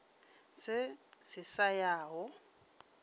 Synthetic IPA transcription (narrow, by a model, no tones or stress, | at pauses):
sɪsɪsajaːɦɔ